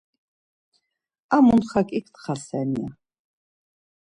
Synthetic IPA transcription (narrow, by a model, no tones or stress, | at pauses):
amunχakʼikʰt̪χasɛnia